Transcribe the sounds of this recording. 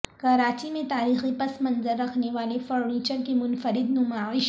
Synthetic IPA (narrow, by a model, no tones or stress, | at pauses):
kɐɾaːt͡ʃimẽt̪aːɾiːxipɐsmɐnzəɾːɐkʰneʋaːlefɔːɾniːt͡ʃəɾkemʊnfəɾɪd̪nʊmaːʋɪʃ